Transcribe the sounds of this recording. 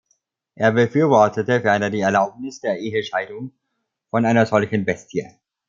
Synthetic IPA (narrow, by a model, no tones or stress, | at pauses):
ʔeːɐbəfyːɐvɔɐtʰətəfɐanɐdiːɛɐlaʊp̚nɪsd̥eːɐʔeːɦəʃaɪdʊŋ | fɔnʔaɪnɐzɔlçn̩bɛstʰjə